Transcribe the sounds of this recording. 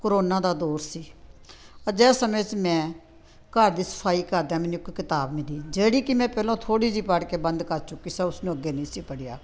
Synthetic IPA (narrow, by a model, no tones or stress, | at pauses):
koɾoːnaːd̪aːd̪oːɾsiː | əd͡ʒɛːsəmẽːt͡ʃmɛ̃ː | kəɾd̪iːsə̥pʰaːiːkəɾd̪jaːmɛːniːkːkɪt̪aːbmɪliːd͡ʒeːɽiːkɪmɛ̃ːpɛːlõːt̪ʰoːɽiːd͡ʒiːpəɽkeːbə̃nd̪kəɾt͡ʃʊkːiːsãːʊsnũːəɡeːnĩːsiːpəɽɪjaː